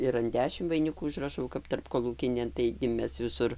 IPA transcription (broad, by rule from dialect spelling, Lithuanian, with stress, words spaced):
ɪr ɐn ˈdʲæːʃʲɪmt ʋɐɪnʲˈɪkuː ʊʒrɐˈʃɐʊ kɐp tɐrpkoːˈlˠuːkʲɪnʲeːn tɐɪɡʲɪ ˈmʲɛs ʋʲɪˈsʊr